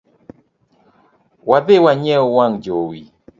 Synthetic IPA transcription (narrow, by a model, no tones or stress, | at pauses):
waðewaɲɛowaŋd͡ʒowi